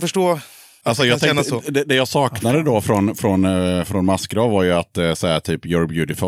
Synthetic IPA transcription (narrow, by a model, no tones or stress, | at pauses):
fœʂʈoː | alsɔjɑːɛad̪ɛd̪ɛjɑsɑːknad̪əd̪ɔfɾɔnfɾɔnfɾɔnmaskɡɾɑːvvaɾjəat̪sɛːat̪ʰyːpjɔɾbjʉːt̪ɪfɔ